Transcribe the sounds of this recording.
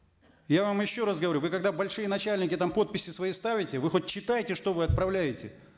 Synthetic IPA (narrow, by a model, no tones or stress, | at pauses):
javamjɪɕːo̞ɾasɡəvɐɾʲuvɨkɐɡd̪abɐlʲʂɨjənɐt͡ɕælʲnʲɪkʲɪt̪ampo̞t̪̚pʲɪsʲːɪsvɐist̪avʲɪtʲɪvɨxot̚ʲt͡ɕːɪt̪ajɪtʲɪʂt̪o̞vɨɐt̪̚pɾɐvlʲæjɪtʲɪ